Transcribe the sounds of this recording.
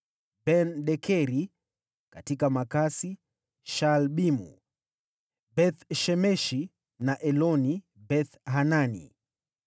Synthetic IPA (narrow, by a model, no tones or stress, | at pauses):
bɛnɗɛkʰɛɾi | katikamakasi | ʃalɓimṵ | bɛθʃɛmɛʃi | naʔɛlɔni | bɛθɦananḭ